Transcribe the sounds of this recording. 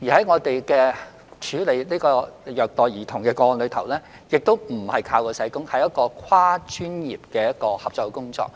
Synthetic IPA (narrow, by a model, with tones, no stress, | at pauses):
jiː˨˩hɐ˨˥jŋɔː˨˧t̪e˨jkɛː˧ | t͡ʃʰyː˨˧le˨jniː˥kɔː˧jœː˨k̚t̪ɔː˨jjiː˨˩t̪ʰʊ˨˩ŋkɛː˧kɔː˧nlɵ˨˧ɥt̪ʰɐ˨˩wlɛː˥ | jɪ˨k̚t̪o˥wm̩˨˩hɐ˨jkʰaː˧wkɔː˧sɐ˨˥jkʊ˥ŋhɐ˨jɐ˥t̚kɔː˧kʰwaː˥t͡ʃʰyː˥njḭː˨p̚kɛː˧jɐ˥t̚kɔː˧hɐ˨p̚t͡sɔ˨˧kkʊ˥ŋt͡sɔ̰ː˧k̚